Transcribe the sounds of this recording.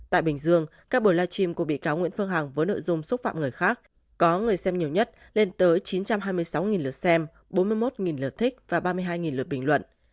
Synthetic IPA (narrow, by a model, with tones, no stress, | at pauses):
t̪a̰ː˧˨jɓï˨˩ŋ̟zɨ˧əŋkaː˦˥k̚ɓo˧˩jlaː˧t͡ɕi˧mkṵ˧˩ɓḭ˧˨kaː˨˦wŋḭ˧˥ənfɨ˧əŋɦa˨˩ŋvəː˨˦jno̰˧˨jzʊ˧ŋ͡msʊ˦˥k͡p̚fa̰ː˧˨mŋɨ˨˩əjxaː˦˥k̚ | kɔ˨˦ŋɨ˨˩əjsɛ˧mɲi˨˩əwɲə˦˥t̚ | le˧nt̪əː˨˦jt͡ɕi˨˦nt͡ɕa˧mɦaː˧jmɨ˧əjsa˨˦wŋi˨˩nlɨ˨˩ət̚sɛ˧m | ɓo˨˦nmɨ˧əjmo˦˥t̚ŋi˨˩nləː˨˩t̚t̪ʰï˦˥k̚vaː˨˩ɓaː˧mɨ˧ɦaː˧jŋi˨˩nl̚ɓï˨˩ŋlwə̰˧˨nʔ